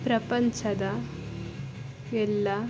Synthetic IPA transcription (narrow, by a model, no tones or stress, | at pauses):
pɾɐpɐɲt͡ʃɐd̪ɐ | ɛlːɐ